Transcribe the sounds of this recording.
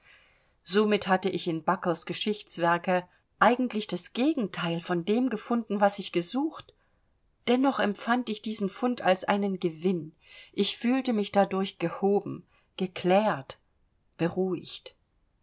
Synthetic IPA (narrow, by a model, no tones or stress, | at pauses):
z̥omɪthatəʔɪçɪnbakl̩sɡ̥əʃɪçt͡sv̥ɛɐkə | ʔaɪɡŋ̩tlɪçd̥asɡ̥eːɡŋ̩tʰaɪlfɔndeːmɡəfʊndn̩vasɪçɡ̥əzuːxt | d̥ɛnɔχɛmpfantɪçd̥iːzn̩fʊntʰalsʔa̰ɪnənɡəvɪn | ʔɪçfyːltəmɪçd̥adʊɐçɡ̥əhoːbm̩ | ɡ̥əkʰl̥ɛːɐt | b̥əʁuːɪçt